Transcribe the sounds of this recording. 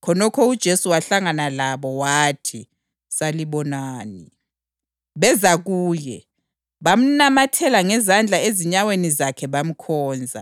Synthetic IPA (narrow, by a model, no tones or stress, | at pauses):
kʰɔnɔkʰɔud̥ʒ̥ʱesuwaɬaŋanalaβɔwatʰi | saliβɔnaːni | βɛzaɣuːjɛ | βam̩namatʰɛlaŋɛzand͡ɮʱaeziɲawenizakʰɛβam̩kʰɔːnd͡zʱa̰